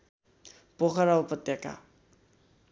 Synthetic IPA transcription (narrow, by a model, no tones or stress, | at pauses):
pokʰaɾaupʌt̪jaka̰